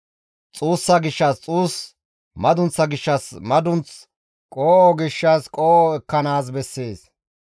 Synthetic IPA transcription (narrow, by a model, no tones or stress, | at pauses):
t͡sʼuːsːɐɡɪʃːɐst͡sʼuːs | mɐd̪ʊnt͡sːɐɡɪʃːɐsmɐd̪ʊnt͡s | kʼoːʔɔɡɪʃːɐskʼoːʔɔɛkːɐnaːs̬bɛsːeːs